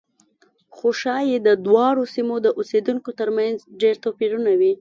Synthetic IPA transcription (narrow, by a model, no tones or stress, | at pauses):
xoʃɑjed̪əd̪wɑɽosimod̪əʔosed̪uŋkot̪əɾmanzɖeɾt̪opiɾunawi